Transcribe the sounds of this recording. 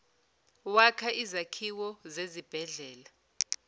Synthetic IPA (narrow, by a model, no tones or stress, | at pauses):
wakʰaʔizakʰiwɔzezib̥ʱɛɮɛːla